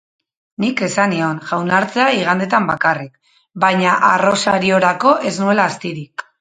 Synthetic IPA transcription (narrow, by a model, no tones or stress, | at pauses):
nike̞sanio̞nʝawnaɾt͡se̞aiɣ̞and̪e̞t̪ambakarik̚ | bajɲaʔaro̞saɾio̞ɾako̞ʔe̞znue̞laːst̪iɾik